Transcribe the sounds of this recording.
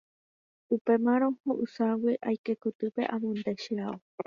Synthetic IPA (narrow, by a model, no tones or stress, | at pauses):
upe̞mãɾ̃õ̞hõʔɨsawiʔajke̞kot̪ɨpe̞̰ʔãmõnd̪eʃiao